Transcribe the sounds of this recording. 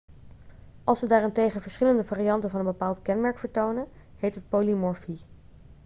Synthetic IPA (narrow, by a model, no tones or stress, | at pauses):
ʔɑlˠsʋədaːrɪntejχəvəɹsχɪləndəvaːriɑntənvɑnənbəpaːlˠtkɛnmɛɹkfəɹtownə | ɦejtɦət̚poːlimɔɹfi